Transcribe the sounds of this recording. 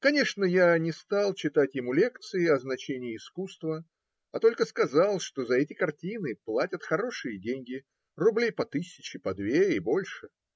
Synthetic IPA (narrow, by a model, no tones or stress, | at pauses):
kɐnʲe̞ʂnəjanʲɪst̪ɑlˠt͡ɕɪt̪atʲjɪmulʲe̞kt̪sɨɪɐznɐt͡ɕenʲɪɪːskust̪və | ɐt̪o̞lʲkəskɐzɑlˠʂt̪o̞zɐɛtʲɪkɐrtʲinɨplˠatʲət̪xɐɾo̞ʂɨjədʲenʲɡʲɪ | rʊblʲejpɐt̪ɨsʲɪt͡ɕɪpɐd̪vʲeɪbo̞lʲʂɨ